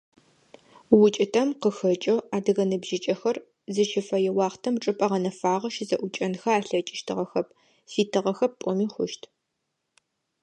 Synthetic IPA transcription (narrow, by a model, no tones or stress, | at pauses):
wʊt͡ʃʼɪtʰɐmqəxɐt͡ʃʼɐaːdɨɣɐnɨbʒɪt͡ʃʼɐxɐr | zɨʃʰɪfɐjɛwɑːχtʰɐmʈ͡ʂʼɨpʼɐʁɐnɐfaːʁɐʃɪzɐʔʷʊt͡ʃʼɐnxɐaːɬɐt͡ʃʼɪʃtʰɨʁɐxɐp̚ | siːtʰɨʁɐxɐp̚pʷʼɔmiːxʷʊʃtʰ